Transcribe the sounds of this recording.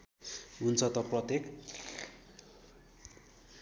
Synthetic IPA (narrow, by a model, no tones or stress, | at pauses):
ɦunt͡sʰʌt̪ʌprʌt̪ek